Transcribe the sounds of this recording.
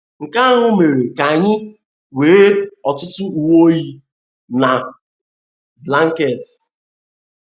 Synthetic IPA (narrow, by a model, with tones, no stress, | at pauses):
ŋ̩˨ka˦ŋʊ˦me˨ɾe˨ka˨ɲɪ˦ | weː˨˦e˦ɔ˨tʊ˦tʊ˦u˨wo˦ji˦ | na˨ | bla˦ŋ̩˦ke˨t